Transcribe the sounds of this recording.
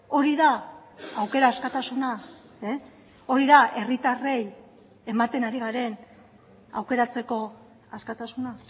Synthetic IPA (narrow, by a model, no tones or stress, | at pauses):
o̞ɾiðaawke̞ɾaːskat̪asuna | e | o̞ɾiðaʔe̞rit̪are̞j | e̞mat̪e̞naɾiɣ̞aɾe̞n | a̰wke̞ɾat͡se̞ko̞ | askat̪asuna